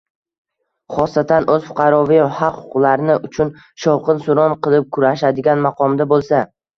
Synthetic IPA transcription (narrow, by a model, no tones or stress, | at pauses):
χɒst̪at̪ʰanɵz̥fʊ̥qʰɑɾɒvɪjhɑqhʊ̥qʊlˠaɾnɪʔʊt͡ʃʰʊn | ʃɒwqʰɨnsʊɾɒnqɨlˠɪp̚kʰʊɾaʃad̪ɪɡʲanmaqʰɒmd̪abolˠsa